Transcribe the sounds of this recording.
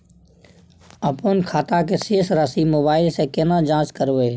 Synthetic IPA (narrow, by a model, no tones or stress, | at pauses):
əpoːnkʰaːt̪akeseːsɾaːsimoːbaːɪlsekenãːd͡ʒãːt͡ʃkəɾʋeː